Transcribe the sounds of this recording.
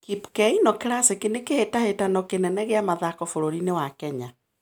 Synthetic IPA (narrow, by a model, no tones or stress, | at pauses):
kipkɛinɔkeɾasekinekehetahetanɔkenɛnɛɣeamaðakɔfoɾoɾinewakɛɲa